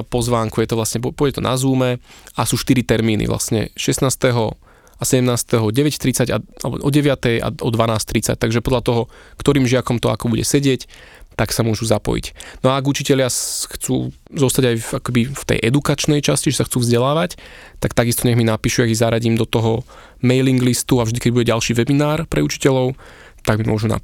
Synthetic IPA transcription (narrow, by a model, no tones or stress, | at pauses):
pɔzʋaːŋkujɛt̪ɔʋlasɲɛppɔjɟɛt̪ɔnʔa̰zuːmɛasuːʃt̪iɾit̪ɛɾmiːnʔḭʋlʔa̰sɲɛ̰ʃɛsnaːst̪ɛɦɔ | asɛɟɛmnaːst̪ɛɦɔɟɛʋɛct̪ɾit͡saɟa̰alɛ̰bɔ̰ʔɔɟɛʋɪat̪ɛja̰ɔd̪ʋanaːst̪ɾit͡sa̰c̚t̪aɡʒɛpɔd̪ʎat̪ɔɦɔ | kt̪ɔɾiːmʒɪakɔmt̪ɔa̰kɔbuɟɛ̰sɛɟɪɛc | t̪aksamʊɔʒuzapɔ̰jḭcnɔaːɡut͡ʃicɛlɪaxt͡sṵː | zɔst̪aɟajfakɛbift̪ɛ̰jʔɛd̪ukat͡ʃnɛjt͡ʃasciʒɛsaxt͡suːvzɟɛlaːʋac | t̪akt̪aɡist̪ɔɲɛɣminapiːʃujaɡizaɾaɟiːmd̪ɔt̪ɔɦɔ | mɛjliŋɡlist̪uavʒd̪ikɛɟbuɟɛɟalʃiːʋɛbinaːɾpɾɛut͡ʃi̥cɛʎɔʊ | t̪aɡmimʊɔʒuna̰